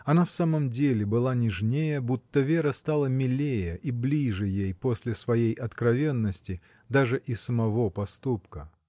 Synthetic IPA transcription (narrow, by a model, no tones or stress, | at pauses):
ɐnafsaməmdʲelʲɪbɨlˠanʲɪʐnʲejəbut̪ːəvʲe̞ɾəst̪alˠəmʲɪlʲejəʔiblʲiʐɨjejpo̞sʲlʲɪsvɐjejʔɐt̪kɾɐvʲe̞nːəsʲtʲɪ | d̪aʐɨʔɪsəmɐvo̞pɐst̪upkə